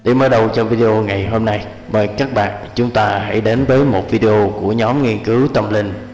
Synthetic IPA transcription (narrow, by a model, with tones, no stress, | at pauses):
ɗe˧˩məː˨˦jɗə˧wt͡ɕɔ˧vi˧ɗi˧ʔo˧ŋa˨˩jɦo˧mna˧j | məː˨˩jkaː˦˥k̚ɓa̰ː˧˨nt͡ɕʊ˨˦ŋ͡mt̪aː˧ɦa̰˧˩jɗe˨˦nvəː˨˦jmo˨˩t̚vi˧ɗi˧ʔo˧ku˧˩əɲɔ˨˦mŋi˧ənkɨ˨˦wt̪ə˧mlï˧ŋ